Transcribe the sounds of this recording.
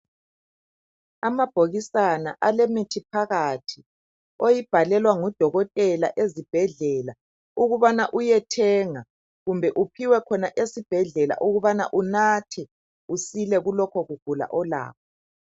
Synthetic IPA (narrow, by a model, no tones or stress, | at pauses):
amab̥ʱoɣisana̰ʔalemitʰipʰaɣatʰi | ojib̥ʱalɛlwaŋɔd̥ʱɔɣɔtʼɛlaʔezib̥ʱɛɮɛːla | uɣuβanaʔujɛtʰɛŋa | ɣumbʱɛʔupʰiwɛkʰɔnaʔesib̥ʱɛɮɛla̰ʔuɣuβana̰ʔunatʰi | usilɛɣulɔkʰɔɣuɡ̥ʱula̰ʔɔla̰ːk̚ʰɔ